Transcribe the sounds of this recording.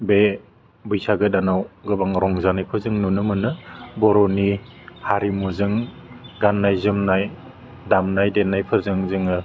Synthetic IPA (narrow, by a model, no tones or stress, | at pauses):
be | bɯjsaɡɯdanawɡɯbaŋɾɔŋzanajpʰɯɾzɯŋnunɯmɯnɯbɔɾɔnihaɾimuzɯŋ | ɡanːajzɯmnaj | damnajdenːajpʰɯɾzɯŋzɯŋɯ